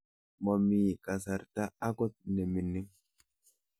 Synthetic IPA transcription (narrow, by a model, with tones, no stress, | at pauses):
mɔ˨mːiː˨kʼɐ˨s̬ɐ˨ɾt̪aː˦kɔ˦t̪̚nɛ˨mɪ˨nːɪ˦m